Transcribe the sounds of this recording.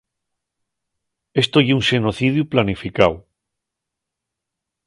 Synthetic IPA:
est̪ojuŋʃenoθiðjuplanifikaw

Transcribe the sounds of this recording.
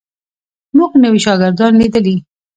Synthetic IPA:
muɡnəwiʃɑɡɪɾd̪ɑnlid̪əli

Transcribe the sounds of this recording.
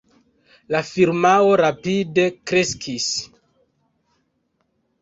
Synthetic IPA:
lafiɾmao̞ɾapide̞kɾeskʰis

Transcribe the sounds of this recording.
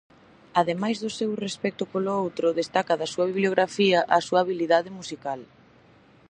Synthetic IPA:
aðemajzðʊsewrespɛk̚t̪ʊpolʊowt̪ɾʊðest̪akɐðɐsuɐβiβljoɣɾafiɐʔɐsuaːβiliðaðɪmusikal

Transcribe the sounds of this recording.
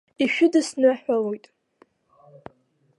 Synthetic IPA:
iʃᶣʊdɨsnɨħʷalojtʼ

